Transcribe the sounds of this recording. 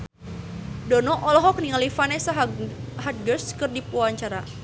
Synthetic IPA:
dɔnɔʔɔlɔɦɔk̚niŋalifanesaɦɦat̪̚ɡərskərdipuaɲt͡ʃaɾa

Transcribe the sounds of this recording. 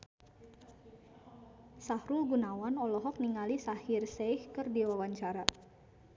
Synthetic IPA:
sahɾulɡunawanɔlɔɦɔk̚niŋalisahirseihkɨrdiwawaɲt͡ʃaɾa

